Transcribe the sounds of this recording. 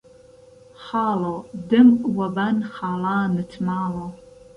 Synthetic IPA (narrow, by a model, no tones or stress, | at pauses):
χɑːlɐwdɨmwɐbɐnχaːlaːnɨtʰmaːlɐw